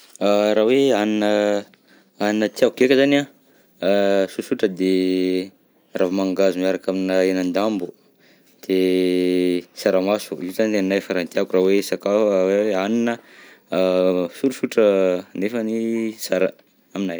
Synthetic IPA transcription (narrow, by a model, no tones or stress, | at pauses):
araɦweaninə | aninət̪iakukekʲəzana | susuʈ͡ʂəd̪e | ravmaŋɡazumaɾakaminəenand̪ambu | d̪̥e | saɾamasuizaniennajfaɾant̪iakurawesakafweaninə | suɾusuʈ͡ʂənefənisaɾə̰ | aminaj